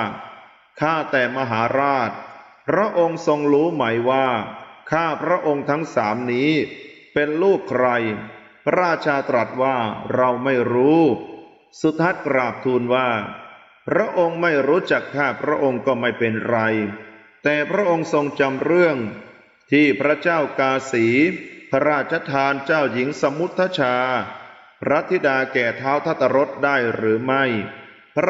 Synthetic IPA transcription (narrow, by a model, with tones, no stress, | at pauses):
kʰaː˥˩t̪ɛː˨˩ma˧ɦaː˩˦ɾaː˥˩t̪̚ | pʰɾa˦˥ʔo˧ŋso˧ŋɾuː˦˥ma˩˦˥jwaː˥˩kʰaː˥˩pʰɾa˦˥ʔo˧ŋt̪ʰa˦˥ŋsaː˩˦mniː˦˥pe˧nluː˥˩kʰːɾa˧j | pʰa˦˥ɾaː˥˧t͡ɕʰaː˧t̪ɾa˨˩t̪̚waː˥˩ɾa˧wma˥˩jɾuː˦˥ | su˨˩t̪̚ʰːa˦˥t̪̚kɾaː˨˩p̚t̪ʰuː˧nwaː˥˩ | pʰɾa˦˥ʔo˧ŋma˥˩jɾuː˦˥t͡ɕa˨˩k̚t̪ʰːaː˥˩pʰɾa˦˥ʔo˧ŋkɔː˥˩ma˥˩jpe˧nɾa˧j | t̪ɛː˨˩pʰɾa˦˥ʔo˧ŋso˧ŋt͡ɕa˧mɾɯ˥˩əŋ | t̪ʰiː˥˩pʰɾa˦˥t͡ɕaː˥˩wkaː˧siː˩˦pʰa˧ɾaː˥˩t̪̚t͡ɕʰa˧˥t̪ʰaː˧nt͡ɕaː˥˩wji˩˦ŋsa˧mu˦˥t̪ʰːa˦˥t͡ɕʰaː˧ | pʰɾa˦˥t̪ʰːi˦˥daː˧kɛː˨˩t̪ʰaː˦˥wt̪ʰa˦˥˩t̪ʰːa˧ɾo˦˥t̪̚daː˥˩jɾɯː˩˦ma˥˩j | pʰ